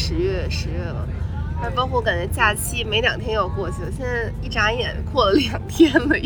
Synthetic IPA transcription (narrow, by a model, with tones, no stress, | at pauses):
ʂɻ̩˧˥ɥɛ˥˩ʂɻ̩˧˥ɥɛ˥˩lə̰˩na˥˧pɑ˥ʊkʰɔ˥˩˧ka˨˩nt͡ɕɛ˧˥t͡ɕja˥˩t͡ɕʰi˥˩me˧˥ɪljɑ˨˩ŋt̪ʰjɛ˥njo˨˩ʊkwɔ˥˩t͡ɕʰy˨˩˨ɕjɛ˥˧na˥˧ɪi˥˩ʈ͡ʂa˧˥jɛ̰˨˩nkʰwɔ˥˩lə˩ljɑ˨˩ŋt̪ʰjɛ˥nlə˧